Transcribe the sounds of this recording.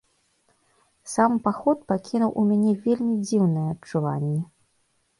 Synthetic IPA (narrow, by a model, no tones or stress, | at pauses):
sampaxɔt̪̚pakʲinuwʔumʲanʲɛvʲelʲmʲid͡zʲiwnɐjɛɐt͡ʂːuva̰nʲːɛ